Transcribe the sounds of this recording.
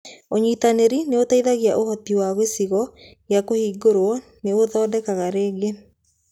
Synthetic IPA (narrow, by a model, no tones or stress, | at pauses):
oɲitaneɾineotaiðaɣiaʔohɔtiwaɣwesiɣɔ | ɣjakohiːɡoɾwɔneoðɔːdɛkaɣaɾeːɡe